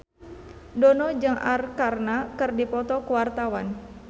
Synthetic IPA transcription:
dɔnɔd͡ʒɨŋa̰rkarnakɨrdipɔt̪ɔkəwart̪awan

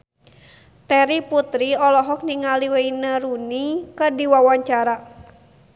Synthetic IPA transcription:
t̪ɛɾiput̪ɾiɔlɔɦɔk̚niŋaliweinəɾunikərdiwawaɲt͡ʃaɾa

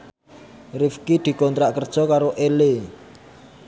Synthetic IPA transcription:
rifkid̪̥i̤kɔnt̪ɾaʔkərd̥ʒ̥ɔ̤kaɾoʔele

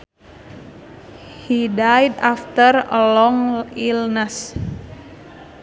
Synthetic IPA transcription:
hidajdaft̪ərə̰lɔŋilnəs

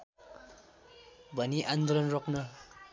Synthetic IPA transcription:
bʱʌniʔand̪olʌnroknʌ

